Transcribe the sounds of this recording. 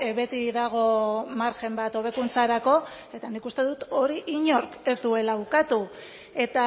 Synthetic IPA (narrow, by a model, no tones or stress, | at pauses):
βe̞t̪iðaɣ̞o̞maɾʝe̞mbat̪o̞β̞e̞kunt͡saɾako̞ | e̞t̪anikust̪e̞ðut̪o̞ɾiʔiɲo̞ɾke̞zd̪ue̞laukat̪u | e̞t̪a